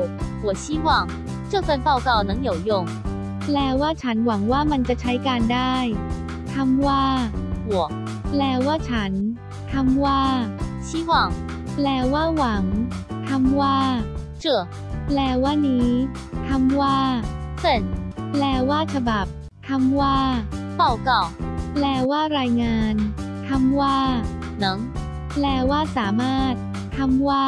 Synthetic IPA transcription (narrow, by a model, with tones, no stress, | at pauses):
wɔ˨˩ɕiː˦˥wɑ˥˩ŋ | ʈ͡ʂɤ˥˧fə˥˩npa˥˩wka˥˩wna˧˥ŋjo˨˩wjʊ˥˩ŋ | plɛː˧˩waː˥˩t͡ɕʰa˦˥nwa˩˦ŋwaː˥˩ma˧nt͡ɕa˨˩t͡ɕʰa˦˥jkaː˧ndaː˥˩j | t̪ʰa˧mwaː˥˩wɔ˨˩˦ | plɛː˧waː˥˩t͡ɕʰa˦˥n | t̪ʰa˧mwaː˥˩ɕi˦˥wɑ˥˩ŋ | plɛː˧˩waː˥˩wa˩˦ŋt̪ʰa˧mwaː˥˩ | t͡ɕɤ˧˩ | plɛː˧˩waː˥˩nːiː˦˥ | t̪ʰa˧mwaː˥˩fə˥˩nlɛː˧˩waː˥˩t͡ɕʰa˧ba˨˩p̚ | t̪ʰa˧mwaː˥˩pa˥˩wka˥˩wlɛː˧˩waː˥˩ɾaː˧jŋaː˧n | t̪ʰa˧mwaː˥˩ | nɤ˨˦ŋ | plɛː˧waː˥˩saː˩˦maː˥˩t̪̚ʰː | a˧mwaː˥˩